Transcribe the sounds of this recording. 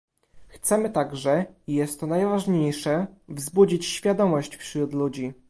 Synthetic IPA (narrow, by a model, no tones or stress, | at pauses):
xt̪sɛmɘt̪aɡʐɛijɛst̪ːɔnajvaʐɲejʂɛvzbud͡ʑit͡ɕɕfʲjad̪ɔmɔɕt͡ɕfɕɾut̪lud͡ʑi